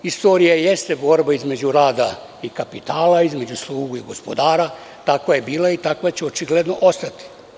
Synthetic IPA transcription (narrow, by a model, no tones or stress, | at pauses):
ist̪o̞ːɾijaje̞st̪ebo̞ɾbaizme̞d͡ʑuɾaːd̪a | ikapit̪aːlaizme̞d͡ʑuslˠuːɡuiɡo̞spo̞d̪aːɾa | t̪akʋaje̞biːlait̪akʋat͡ɕeo̞t͡ʃiɡle̞d̪no̞ʔo̞st̪at̪i̥